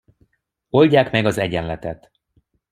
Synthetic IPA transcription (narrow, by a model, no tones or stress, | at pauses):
o̞lɟaːkmɛɡɒzɛɟɛnlɛt̪ɛt̪